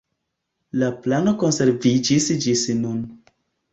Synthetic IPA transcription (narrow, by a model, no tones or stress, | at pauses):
laplanokonseɾvid͡ʒisd͡ʒisnun